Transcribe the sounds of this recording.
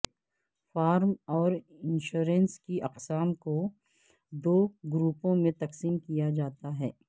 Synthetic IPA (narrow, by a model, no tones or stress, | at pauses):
faːɾmɔːɾ | ɪnʃuːɾɛ̃nskiʔɐqsaːmko | d̪oːɡɾuːpõmẽt̪ɐqsiːmkijad͡ʒaːt̪aɦɛː